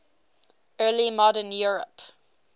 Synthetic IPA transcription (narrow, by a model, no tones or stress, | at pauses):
ɜːlimɔdənjuɹə̰p